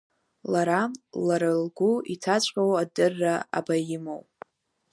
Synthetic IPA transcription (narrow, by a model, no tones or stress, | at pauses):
laɾamlaɾalɡʷuitʰat͡ɕʷʼqʲʼowadɨrːaa̰bajɪmow